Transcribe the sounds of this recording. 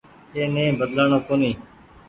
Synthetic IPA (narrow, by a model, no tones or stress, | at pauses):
eːnẽːbəd̪laːɳoːkoːniː